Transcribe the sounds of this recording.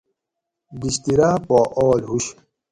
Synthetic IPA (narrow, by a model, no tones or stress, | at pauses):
biɕt̪iɾaːpɔːʔɔːlɦuɕ